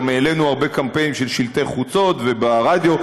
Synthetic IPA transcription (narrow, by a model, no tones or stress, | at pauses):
meːle̞nuaʁbe̞kampe̞nimʃelʃilt̪eχut͡so̞t̪vebaʁad̪jo̞